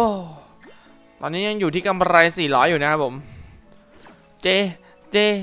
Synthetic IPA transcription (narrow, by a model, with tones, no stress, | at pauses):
ʔo˧˩ | t̪ɔː˧nːiː˦˥ja˧ŋjuː˨˩t̪ʰiː˥˩ka˧mɾa˧jsiː˨˩lɔː˦˥juː˨˩na˦˥kʰa˦˥pʰo˩˦m | t͡ɕeː˧ | t͡ɕeː˧